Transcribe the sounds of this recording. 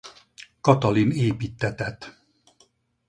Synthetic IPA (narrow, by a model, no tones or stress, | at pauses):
kɒt̪ɒlineːpiːt̪ːɛt̪ɛt̪